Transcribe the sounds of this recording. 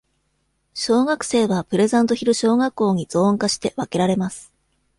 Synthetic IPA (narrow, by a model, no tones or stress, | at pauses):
ɕo̞ːɡakɯ̟̥se̞ːβapɯ̟ɾe̞zãnt̪o̞çʲiɾɯ̟ɕo̞ːɡakːo̞ːɲ̟iz̥õ̞ːŋkaɕi̥t̪e̞βake̞ɾaɾe̞masɨ̥